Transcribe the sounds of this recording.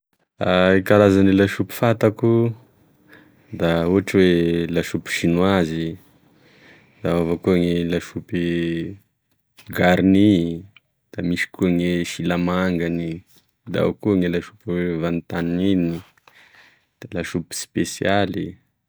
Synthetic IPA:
aikalazanilaʃupi̥fat̪aku | d̪auɦaʈ͡ʂwelaʃupi̥ʃinwazi | d̪̥aavakuaŋelaʃupi | ɡaɾni | d̪̥amiʃi̥kuaŋeʃilamaŋɡani | d̪a̰kuaŋelaʃupivant̪aninini | d̪̥alaʃupi̥spesijali

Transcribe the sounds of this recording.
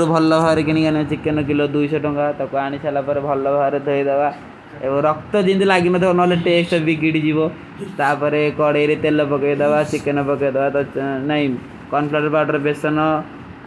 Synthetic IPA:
ɾubʱɔlːɔbʱaɾekiɽ̃iɡanit͡ʃikːenɔk̬ilod̪ujsɔʈɔŋkat̪ɔkuaɽ̃isalapɔɾebʱɔlːɔbʱaɾed̪ʱojd̪eba | ebɔŋɾɔk̚t̪ɔd͡ʒ̪int̪ilaɡinɔt̪ʰɔbɔnɔleʈesʈɔbiɡiʈid͡ʒibɔ | t̪apɔɾekɔɽeɾet̪elɔpɔkɔjd̪ebat͡ʃikːenɔpɔkɔjd̪ebat̪ɔnaɦĩ | kɔnpʰlaʈpaʈɔɾebesɔnɔ

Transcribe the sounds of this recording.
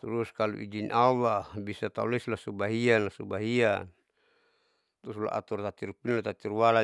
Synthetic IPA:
t̪uɾuskalṵʔid͡ʒinʔawabisat̪auleslasubaɦianlasubaɦian | t̪usula̰ʔa̰t̪ɔrt̪at̪iɾupinlat̪at̪iɾuwala

